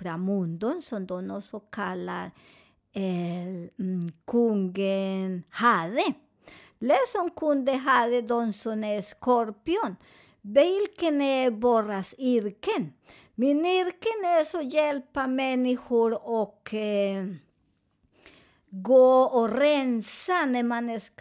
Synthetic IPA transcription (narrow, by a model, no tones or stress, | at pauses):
fɾamund̪ɔnsɔmd̪ɔnɔsɔkʰala̰ɾ | kʰuŋɡəhaðe | lɛsɔŋkʰund̪əɦaðed̪ɔnsɔnɛskɔɾpjɔn | bɛlkənɛboɾasiɾkən | miniɾkənɛsɔjɛlpamɛnːɪɧʊɾɔk | ɡoːɔɾɛnsanɛmanɛs